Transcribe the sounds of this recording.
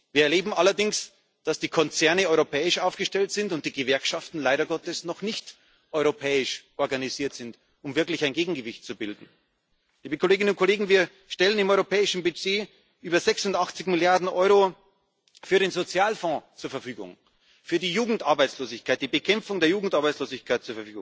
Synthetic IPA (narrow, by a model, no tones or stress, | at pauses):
viːɐɛɐleːbm̩ʔalɐdɪŋs | d̥asd̥iːkʰɔnt͡sɛɐnəɔʏʁopʰɛːɪʃaʊfɡ̥əʃtɛltz̥ɪntʊnt̚d̥iːɡəvɛɐkʃaftn̩laɪɾɐɡɔtəsnɔχnɪçt | ʔɔʏʁopʰɛːɪʃʔɔɐɡaniziːɐtz̥ɪnt | ʊmvɪɐklɪçaɪ̃nɡeːɡŋ̩ɡəvɪçt̚t͡subɪldn̩ | liːbəkʰoleːɡɪnʊnt̚kʰoleːɡŋ̩viːɐ | ʃtɛlənɪmɔʏʁopʰɛːɪʃn̩byzeː | ʔyːbɐzɛksʊndaχt͡sɪçmɪljaɐdn̩ʔɔʏʁo | fyːɐɾeːnzot͡sjaːlfɔ̃ːt͡suːɐfɐfyːɡʊ̰ŋ | fyːɐdiːjuːɡŋ̩tʔaɐbaɪt͡sloːzɪçkʰaɪt̚d̥iːbəkʰɛmfʊŋdeːɐjuːɡŋ̩tʔaɐbaɪt͡ssloːzɪçkʰaɪt̚t͡suːɐfɛɐfyːɡʊ̰̃ŋ